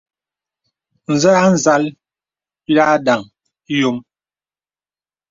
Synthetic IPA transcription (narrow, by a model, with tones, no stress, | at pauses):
n̩˨za˦a˦n̩˨za˦l | pi˦la˦da˨ŋ˦ | jo˨˦ŋ